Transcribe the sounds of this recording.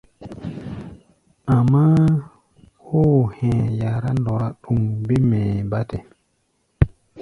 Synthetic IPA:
a˨ma˦ | ho˦˨hɛ̃˨ja˨ɾa˦ndo˨ɾa˦ɗu˨ŋbe˦mɛ˨ba˦te˨

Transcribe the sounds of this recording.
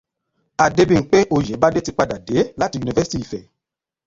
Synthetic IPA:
a˨de˧bi˧˨ŋ̩˨˦k͡pe˦ʔo˧jɛ˨˦ba˦de˦ti˧k͡pa˧da˨de˨˦la˦ti˧u˨ni˧vɛ˦si̥˦ti˦i˨fɛ˨

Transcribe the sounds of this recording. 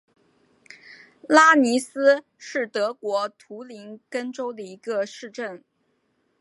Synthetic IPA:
la˥ni˧˥sɹ̩˥ | ʂɻ̩˥˩t̪ɤ˧˥kwɔ˧˥t̪ʰu˧˥li˧˥nkə˥nʈ͡ʂo˥ʊd̪ə˨i˧˥ɡə˧ʂɻ̩˥˧ʈ͡ʂə˥˩n

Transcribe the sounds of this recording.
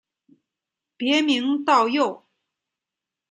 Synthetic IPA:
pjɛ˧˥mi˧˥ŋt̪ɑ˥˧ʊjo˥˩ʊ

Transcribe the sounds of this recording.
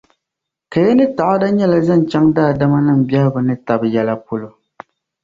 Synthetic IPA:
ka˨jɛ˦nɨ˦ta˨ʔo˦da˦ɲɛ˦la˨za˦˨n˨t͡ʃa˦ŋdaː˦˨da˦ma˦nɨ˦˨m̩˨bjɛ˦hbɨ˨nɨ˦ta˨bjɛ˦la˦po˦lo˨

